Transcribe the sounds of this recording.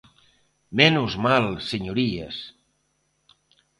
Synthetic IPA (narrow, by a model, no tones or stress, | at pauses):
mɛnuzmalˠsəɲuɾiḛs